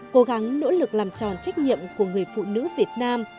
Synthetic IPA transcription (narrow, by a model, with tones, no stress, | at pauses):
ko˨˦ɣa˨˦ŋno̰˧˥lɨ˨˩k̚laː˨˩mt͡ɕɔ̰˨˩nt͡ɕa˦˥jk̟̚ɲḭ˧˨əmku˧˩əŋɨ˨˩əjfṵ˧˨nɨ̰˧˥vi˨˩ət̚naː˧m